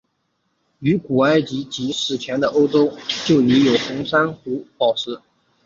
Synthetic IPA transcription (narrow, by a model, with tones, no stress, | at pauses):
y˧˥ku˨˩a˥˩ɪt͡ɕi˧˥t͡ɕi˧˥ʂɻ̩˨˩t͡ɕʰjɛ˧˥nd̪ə˧ʔo˥ʊʈ͡ʂo˥ʊt͡ɕjo˥˩ʊy˧˥jo˨˩ʊxʊ˧˥ŋʂa˥nxu˧˥pɑ˨˩ʊʂɻ̩˥